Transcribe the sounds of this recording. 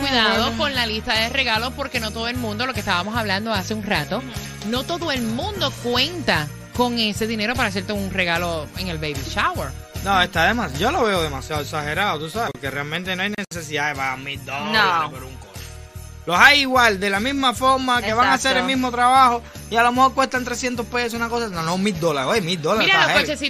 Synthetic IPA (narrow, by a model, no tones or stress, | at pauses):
kwiðaðokonlalist̪aðere̞ɣalo̞spo̞ɾke̞no̞t̪oðoelmũnd̪o̞lo̞ke̞st̪aβamo̞saβland̪oase̞uŋrat̪o̞ | no̞t̪o̞ðoe̞lmũnd̪o̞kwe̞nt̪a | ko̞ŋe̞se̞ðineɾo̞paɾaːs̬e̞ɾt̪euŋre̞ɣaloeŋelbejβiʃaweɾ | nõest̪aðemasɟ͡ʝolo̞βeoðe̞masjaðeksahe̞ɾaðot̪usaβeoɾkerealmẽnt̪enoajnesesiðaeβamild̪onopeɾuŋkot̪o | losajiɣwald̪e̞lamizmafoɾmakeβaŋaseɾemiɦmot̪ɾaβaho̞ | ialo̞meho̞ɾkwe̞ht̪ant̪ɾesjent̪ohpesesunako̞sanonomild̪olaɾojmild̪olaɾeɾaaoeet͡ʃesi